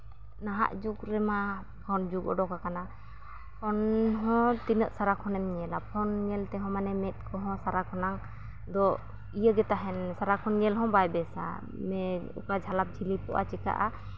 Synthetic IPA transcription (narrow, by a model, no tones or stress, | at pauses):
naɦa̰ʔd͡ʒukɾɛma | pʰɔnd͡ʒukɔ̰ɖɔkakana | pʰɔnɦɔ̃t̪inəʔsaɾakʰɔnɛmɲɛlapʰɔnŋɛlt̪ɛɦɔ̃manɛmɛt̪̚kʰɔɦɔ̃saɾakʰɔnaŋ | d̪ɔ | ijəɡɛt̪aɦɛnsaɾakʰɔnŋɛlɦɔ̃bajbɛsa̰ | mɛṵkad͡ʒʱalap̚d͡ʒʰilipɔʔa̰t͡ʃika̰ʔa̰